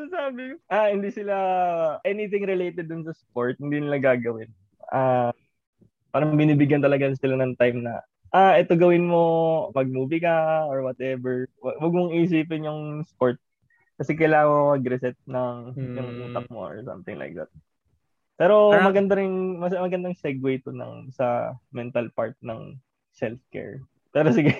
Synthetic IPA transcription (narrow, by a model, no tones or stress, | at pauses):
ɐsaːbɪʔahɪnd̪iːsɪlaʔɛnɪt̪ɪŋɾɪlejt̪ɛd̪̚ːʊnsɐspoɹt̪̚hɪnd̪iːnɪlaɡaːɡɐwɪn | ʔa | paːɾɐŋbɪniːbɪɡjɐnt̪ɐlɐɡasɪlanɐŋt̪ajmnɐ̰ | ʔaʔɛt̪o̞ɡɐwɪnmo̞mɐɡ̚muːbɪkɐʔɔɹwɐt̪ʔɛbɛɹwɐwɐɡ̚mʊŋɪʔɪs̬iːpɪnjʊŋspoɹt̪̚ | kɐsɛkɐjlaːŋɐmɐɡɾɛsɛt̪̚nɐŋjʊŋʔuːt̪ɐk̚mo̰ʔɔ̰ɹsɐ̰̃mt̪ɪŋlʔa̰jk̚d̪ɐ̰t̪̚ | pɛːɾo̞mɐɡɐnd̪ɐɾɪŋmɐsmɐɡɐnd̪ɐŋsɛɡwejt̪onɐ̰ŋsɐmɛnt̪ɐlpaɹt̪̚nɐ̰ŋ | sɛlfkɛ̰ɹ | pɛːɾosɪɡɛ